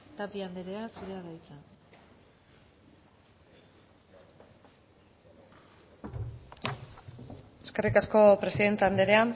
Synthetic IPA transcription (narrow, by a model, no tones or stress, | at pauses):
t̪apiand̪eɾeasuɾe̞aðajt͡sa | e̞ske̞rikasko̞pɾe̞siðe̞nt̪eand̪eɾe̞a